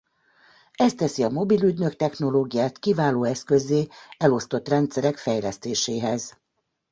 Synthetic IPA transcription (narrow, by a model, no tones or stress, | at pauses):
ɛst̪ɛsiɒmo̞bilyɟ̪nøkt̪ɛxno̞loːɡijaːt̪kivaːloːɛskøzːeːɛlo̞st̪o̞t̪rɛnt̪sɛɾɛkfɛjlɛst̪eːʃeːɦɛz